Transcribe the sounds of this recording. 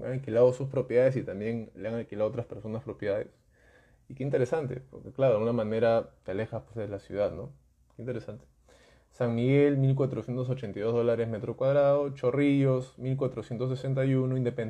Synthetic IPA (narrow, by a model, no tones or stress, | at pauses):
a̰ŋalkilaðosuspɾopjeðaðe̞s̬it̪ambje̞nleaŋalkilaðot̪ɾaspe̞ɾsonaspɾo̞pjðaðḛs | ikeint̪e̞ɾesant̪e̞̰po̞ɾkeklaɾoelɣunamane̞ɾat̪eale̞xaspwezðelasjṵð̞aðno̞ | keint̪eesant̪e̥ | saŋmiɣe̞lmilk̬wat̪ɾosje̞nt̪os̬ot͡ʃe̞nt̪ajðo̞zðo̞laɾe̞zmet̪ɾo̞kwaðɾaðo̞t͡ʃo̞riʝosmilkwat̪ɾo̞sjent̪os̬ese̞nt̪̬ajunoind̪e̞pen